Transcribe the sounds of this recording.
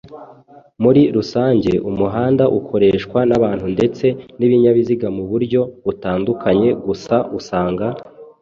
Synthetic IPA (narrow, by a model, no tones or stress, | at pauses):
muɾiɾusaːɲɟe̞ʔumuɦaːndaʔukʰo̞ɾe̞ːʃkwanaβaːn̥hunde̞t͡se̞niβiɲaβiziɡamuβuɾɟo̞βutaːndukʰaɲe̞ɡusausaːŋɡa